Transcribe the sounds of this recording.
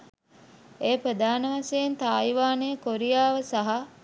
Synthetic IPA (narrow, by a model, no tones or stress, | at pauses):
eːpɾəd̪aːnəʋasejent̪aːjʋaːnejəkoɾijaːʋəsaɦa